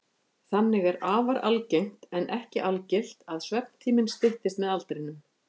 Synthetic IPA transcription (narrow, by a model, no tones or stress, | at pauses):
θanːɪɣɛɾaːvaɾalcejŋ̥t̪ɛnʔɛhcɪʔalcɪl̥t̪aðsvɛp̚nt̪ʰiːmɪnst̪ɪht̪ɪst̪mɛðalt̪ɾɪnʏm